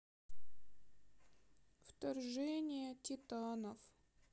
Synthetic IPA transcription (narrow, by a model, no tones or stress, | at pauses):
ft̪ɐrʐɛnʲɪjətʲɪt̪anəf